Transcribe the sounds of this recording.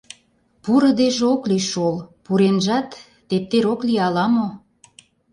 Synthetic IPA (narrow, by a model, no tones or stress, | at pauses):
puɾɤ̆d̪eʒeokliʃolpuɾenʒɑt̪ː | ep̚t̪eɾokliɑlɑmo